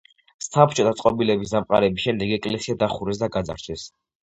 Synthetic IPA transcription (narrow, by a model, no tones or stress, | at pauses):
sap̚ʰt͡ʃʼɔt̪ʰat̪sʼqʼɔbilɛbis̬d̪amqʼa̰ɾɛbisʃɛmd̪ɛɡɛkʼlɛsiad̪aχuɾɛs̬d̪aɡad̪za̰ɾt͡ʃʰɛs